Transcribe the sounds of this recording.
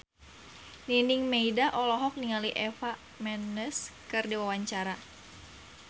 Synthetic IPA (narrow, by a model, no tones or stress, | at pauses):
nindiŋmeidaʔɔlɔɦɔk̚niŋaliʔɛfa | mɛnəskɨrdiwawaɲt͡ʃaɾa